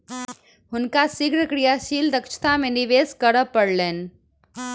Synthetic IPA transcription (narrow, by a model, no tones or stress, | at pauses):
ɦʊnkasɪɡɾəkɾijaʃiːld̪əkʃt̪ʰamẽnɪʋeːskəɾəpːəɽleːn